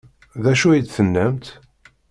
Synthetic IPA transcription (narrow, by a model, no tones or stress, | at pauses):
ðæʃuid̪θənːæmt̪